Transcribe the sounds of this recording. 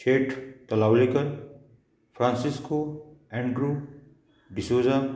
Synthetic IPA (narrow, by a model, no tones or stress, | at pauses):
t͡ʃeːʈʰt̪ɐlaːwlikəl | pʰɾãːnsiskoːɛ̃ɳɖɾu | ɖɪsoːza